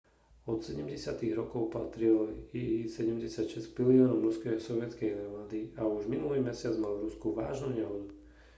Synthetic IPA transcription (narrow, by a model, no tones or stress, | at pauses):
ɔt̪sɛɟɛmɟɛsɪat̪iɣɾɔkɔʊpa̰t̪ɾilisɛɟɛmɟɛsɪacʃɛscpiliɔːnɔʊɾuskɛsɔʋɪɛtt͡skɛjnaɾmad̪iauʒminulimɛsɪad͡zmalvɾuskuʋa̰ːʒnuɲaɦnu